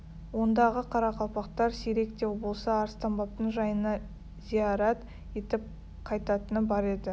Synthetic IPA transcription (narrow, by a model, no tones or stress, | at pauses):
wo̞nd̪ɑʁəqʰɑɾɑqʰɑw̪ˠpɑqt̪ɑɾseɾe̞kt̪e̞wbo̞lˠsɑːɾst̪ɑmbɑp̚t̪əɴʒɑjənɑ | z̥ijɑɾat̪ | e̞t̪ɪp̚ | qʰɑjt̪ɑt̪ənəbɑɾe̞d̪ɪ